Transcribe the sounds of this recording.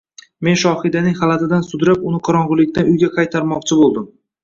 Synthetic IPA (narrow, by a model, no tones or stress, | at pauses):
me̞nʃɒhɪd̪anɪŋhalat̪ɪd̪ansʊd̪ɾapʊnɪqʰɒɾɒɴʁʊlˠɪkʲt̪anʊjɡʲaqʰɑjt̪ʰaɾmɒqt͡ʃʰɪbolˠd̪ɪm